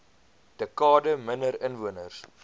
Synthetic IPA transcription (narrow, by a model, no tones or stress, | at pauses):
d̥əkɑːdəmənəɾənvuənərs